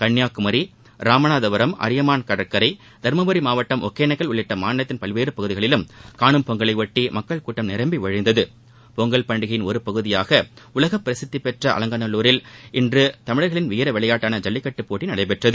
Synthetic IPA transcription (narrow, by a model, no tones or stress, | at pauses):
kɐɳːjaːkɯmɐɾi | ɾaːmɐnaːðɐʋɐɾɐmʔɐ̰ɾɪjɐmaːnkɐɽɐɾkːɐɾɐɪ | d̪̥ɐɾmɐbɐɾimaːʋɐʈːɐmʔɔkːeːnɐɪkːɐɭʊɭːɪʈːɐmaːnɐt̪ːɪnpɐlʋeːɾɯpɐɣɯðɪɣɐɭɪlɯmkaːɳɯmpɔŋɡɐɭɐɪʋɐʈːimɐkːɐɭkuːʈːɐmnɪɾɐmbiʋɐɻɪnd̪ɐðɯ | pɔŋɡɐɭpɐɳɖɯɣɐjɪnɔɾɯpɐɣɯðɪjaːɣɐʊlɐɣɐpːɪɾɐsɪt̪ːipɛʈrɐʔɐ̰lɐŋɡɐnɐluːɾɪlɪndrɯt̪ɐmɪɻɐɾɣɐɭɪnʋɪjɐɾɐʋɛɭɐjaːʈːaːnɐd͡ʒɐlːɪkːɐʈːɯpːoːʈːinɐɽɐɪp̬ɛʈrɐðɯ